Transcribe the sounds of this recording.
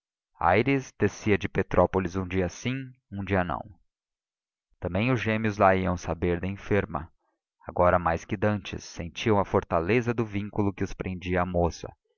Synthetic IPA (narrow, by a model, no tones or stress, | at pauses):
a̰jɾisd̪̥esiɐd͡ʒɪpet̪ɾʔɔpolɪzũd͡ʒiɐsĩũd͡ʒiɐnɐ̰̃w̃ | t̪ɐ̃mbẽj̃ʊzʒẽmiʊzlaiɐ̃w̃sabeɾd̪ɐẽfeɾmɐ̰ | a̰ɡɔɾɐmajskɪd̪ɐ̃nt͡ʃɪ̰sːẽnt͡ʃiɐ̃w̃ɐfoɾt̪alezɐd̪ʊvĩŋkulʊkɪʊspɾʔẽnd͡ʒiɐːmosɐ̰